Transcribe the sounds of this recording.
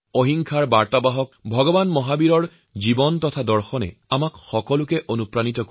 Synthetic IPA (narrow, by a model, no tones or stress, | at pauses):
oɦiŋkʰaɹbaɹtabaɦɔk̚bʱɔɡɔbanmɔɦabiɹɔɹ | zibɔntɔtʰadɔɹxɔnɛ̰amakxɔkɔlʊkɛʔonupɹanitɔk